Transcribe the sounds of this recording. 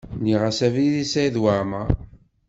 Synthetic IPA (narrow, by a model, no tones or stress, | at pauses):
niʁasæviðisæiðwaɾma